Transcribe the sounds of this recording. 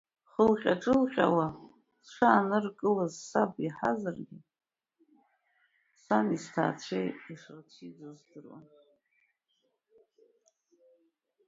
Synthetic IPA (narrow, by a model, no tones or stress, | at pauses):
χəlχʲʼaʈ͡ʂʼɨlχʲʼa̰wa | t͡ɕʷʰaːnɨrkʼɨlazsabiħazarɡʲɪ | sanistʰa̰ːt͡ɕʷʰejiʂat͡ɕʷʰid͡zozdɨrwa̰n